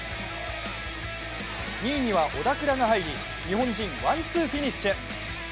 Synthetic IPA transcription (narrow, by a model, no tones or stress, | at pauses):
ɲʲiːɲ̟iβaʔo̞d̪akɯ̟ɾaɡaɦaiɾʲi | ɲ̟iɦõ̞ɲd͡ʑĩɰ̃βãnt͡sɨːɸʲiɲʲiɕe